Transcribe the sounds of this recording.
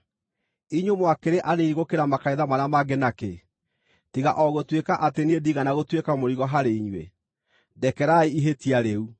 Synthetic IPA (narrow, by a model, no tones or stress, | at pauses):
iɲomwakeɾeʔaneniɣokeɾamakaiðamanamaɡenake | tiɣaʔɔɣotwekaʔateniediɣanaɣotwekamoɾiɣɔɦaɾeiɲwḛ | dɛkɛɾaiiɦetiaɾeu